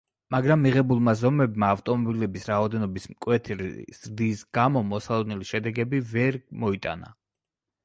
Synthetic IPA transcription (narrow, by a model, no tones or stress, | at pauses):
maɡɾamːiʁɛbulˠmazɔmɛbmaːft̪ʼɔmɔbilɛbisɾaɔd̪ɛnɔbismkʼwɛt̪ʰɾ̰z̥ɾd̪isɡamɔmɔsalˠɔd̪̚nɛliʃɛd̪ɛɡɛbivɛɾmɔit̪ʼa̰na̰